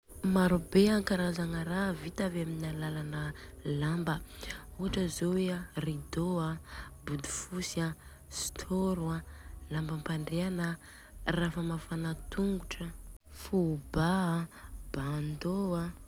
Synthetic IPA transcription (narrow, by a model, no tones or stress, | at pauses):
maɾubeaŋkaɾazaŋəɾavit̪avaminalalanəlambəuaʈ͡ʂəzowearid̪oabud̪u̥fusia | st̪ʰoɾualambəmpaɳɖ͡ʐeanə | rafəmafanat̪uŋɡuʈ͡ʂəfubaab̥and̪oa